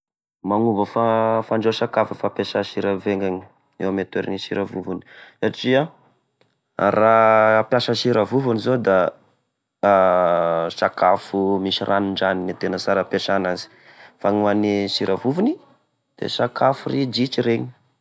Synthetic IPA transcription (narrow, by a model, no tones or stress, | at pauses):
maŋuvəfafaɳɖ͡ʐosakafufapesaʃiɾaveŋɡaɲi | ḛwamet̪weɾḭniʃiɾavuvuni̥saʈ͡ʂia | raapjaʃəʃiɾəvuvunizod̪a | sakafumiʃirʔaniɳɖ͡ʐaninit̪enəsaɾapeʂanazi̥ | faŋuanisiɾʔavuvuni | d̪̥ḛsakafurid͡ʒit͡ʃiɾeɲi̥